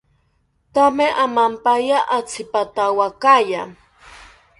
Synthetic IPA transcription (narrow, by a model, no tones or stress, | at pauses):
t̪ameʔamampajaʔat͡sʰɪpat̪awakaja